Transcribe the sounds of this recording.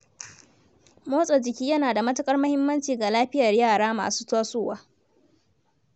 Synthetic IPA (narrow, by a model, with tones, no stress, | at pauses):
moː˦sʼɔ˨d͡ʒɪ˨kʲiː˦jɐ˦naː˨da˨mɐ˦tɐ˦kʼɐ˦rmɐ˦hɪ˦mːɐ˦nt͡ʃiː˨ɡa˨laː˦ɸɪ˦jɐ˨rjaː˦˨ɽaː˦ma̰ː˨su̥ː˦taː˦soː˦˨waː˦